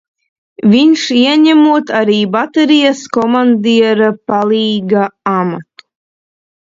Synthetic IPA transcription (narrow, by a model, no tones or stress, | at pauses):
vʲiɲʃiɛɲʲæmuɔt̪aɾiːbat̪ɛɾijaskɔmand̪iɛɾapalˠiːɡaamat̪u̥